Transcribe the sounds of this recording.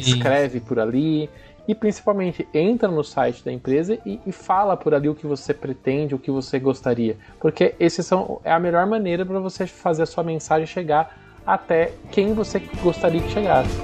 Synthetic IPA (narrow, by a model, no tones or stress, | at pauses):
skɾɛvɪpoɾali | ɪpɾĩsi̥pawmẽnt͡ʃɪẽnt̪ɾɐnʊsajt͡ʃɪ̥d̪ɐẽpɾezɐɪːfalɐpʊɾaliʊkɪvosepɾet̪ẽnd͡ʒɪʊkɪvoseɡost̪aɾiɐ | poɾkeesɪsɐ̃w̃ɛ̰ɐmeʎɔɾmɐ̃nejɾɐpɾɐvosefazeɾɐsuɐmẽsaʒẽj̃ʃeɡaɾ | at̪ɛkẽj̃voseɡost̪aɾiɐd͡ʒɪʃeɡasɪ